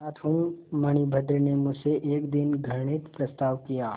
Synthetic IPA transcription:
aːt̪ʰʊ̃mmɐɽ̃ibʱəd̪ɾnemʊd͡ʒseʔeːkd̪ɪnɡʱɐɽ̃ɪt̪pɾɐst̪aːʋkijaː

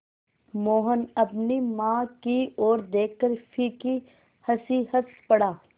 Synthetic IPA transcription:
moːɦənɐpnimãːkioːɾd̪eːk̚ʰkːəɾfʰiːki | hɐsiːhət̪pɐɽaː

